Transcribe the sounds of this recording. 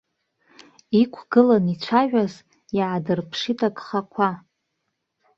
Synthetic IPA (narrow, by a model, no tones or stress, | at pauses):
ikʷʰɡ̥ɨlanit͡ʃʷʰaʒʷᶣaz | jaʕadɨrpʰʂitʰakʼχakʷʰa